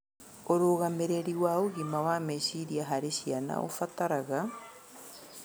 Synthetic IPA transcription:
oɾoɣameɾeɾiwaoɣimawaːmeʃiɾiaɦaɾesiana̰ʔo̰fataɾaɣa

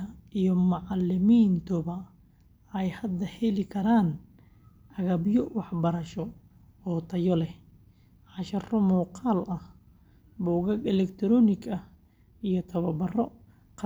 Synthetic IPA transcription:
ɐijɔmɑʕɑlːɪmiːnt̪ʰʊβɐ | ɛjhɐd̪ːɐhɛlɪkʰɐɾaːn | ʔɐɣɐbjɔwɑħbɐɾɐʃɔ | ɔːt̪ʰɐjɔlɛ | ʕɑʃɐrʊmuːqɑːlɐh | bɔːɣɐɡɛlɛkt̪ʰɾɔːnɪɡɐ | ijɔt̪ʰɐβɐbɐrɔ | q

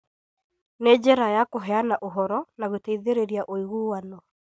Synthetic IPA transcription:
ned͡ʑɛɾajakoɦɛanaʔoɦɔɾɔnaɣoteiðeɾeɾiaʔoiɣuwanɔ

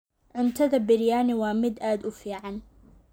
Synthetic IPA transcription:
ʕʊnt̪ʰɐðɐbɪɾjaːnɪwɑːmɪd̪aːd̪ʊfiːʕɑn

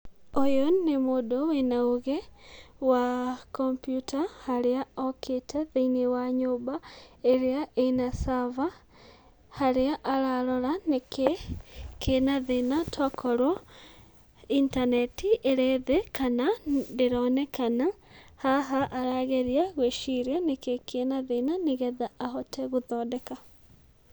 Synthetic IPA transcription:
ojonːemodowenaoɣewakɔmpjutʰahaɾeaɔkʰetʰɛðeinewaɲoːbaeɾeaʔenasava | haɾeaʔaɾaɾɔɾanekekʰenaðenatʰakʰɔɾwɔ | intanɛtiʔeɾeðekanadeɾɔnɛkanahaɦaʔaɾaɣeɾiaɣweʃiɾanekekʰenaðenaneɣɛðaːhɔtʰɛɣuðɔːdɛka

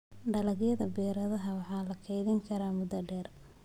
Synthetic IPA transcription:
ɖɐlɐɣjɐðɐbɛːɾɐðɐɦɐwɑħɑːlɐkʰɛjðɪŋkʰɐɾaːmʊd̪ɐɖɛːr

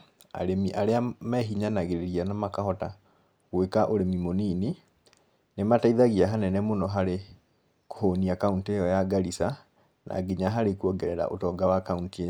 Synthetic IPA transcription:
a̰ɾemiʔaɾeamɛɦiɲanaɣeɾeɾianamakaɦɔta | ɣwekaʔoɾemimonini | nemataiðaɣiaɦanɛnɛmonɔɦaɾe | ko̥honiakauntejɔjaɡaɾisa | na̰ːɡiɲaɦaɾekuɔɡɛɾɛɾa̰ʔotɔːɡawakauntiej

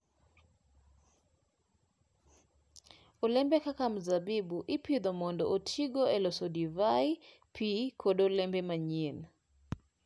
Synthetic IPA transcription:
olɛmbɛkakamzabibuʔɪpid̪omɔndɔʔotʰiɡoɛlɔsɔdivaj | pʰikʰodolɛmbɛmaɲen

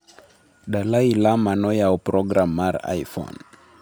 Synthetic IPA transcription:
ɗalailamanɔjaɔpɾɔɡɾamːaɾa̰jfɔ̰n

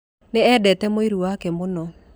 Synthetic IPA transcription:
neɛdɛtɛmoiɾuwakɛmonɔ

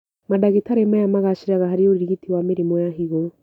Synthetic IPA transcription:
madaɣitaɾemajamaɣaʃiɾaɣahaɾioɾiɾiɣitiwamiɾimɔjaɦiɣo

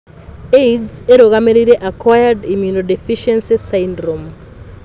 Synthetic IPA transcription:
ejdzzeɾoɣameɾiɾeʔakwajadimjunodefiʃɛnsisaindɾom

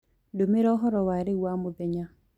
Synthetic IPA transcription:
domeɾɔɦɔɾɔwaɾewamobɛɲa

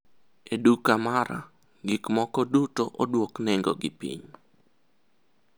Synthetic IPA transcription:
edukamaɾa̰ | ɡɪkmɔkɔdutoʔodwoknɛŋɡɔ̰ɡɪpḭɲ

